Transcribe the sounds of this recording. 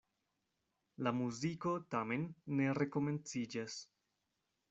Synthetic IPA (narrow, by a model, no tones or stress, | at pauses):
lamuziko̞tame̞nːe̞ɾe̞ko̞me̞nt͡sid͡ʒas